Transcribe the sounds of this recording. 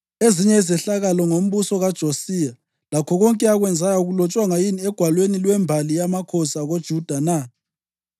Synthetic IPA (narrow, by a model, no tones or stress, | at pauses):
eziɲɛizɛɬaɣalɔŋom̩βusɔɣad̥ʒ̥ʱosiːja | lakʰɔɣɔŋkʼɛaɣwɛnd͡zʱajauɣulɔt͡ʃʼwaŋajiniɛɡ̥ʱwalwenilwɛmbʱalijamakʰɔsaɣod̥ʒ̥ʱud̥ʱana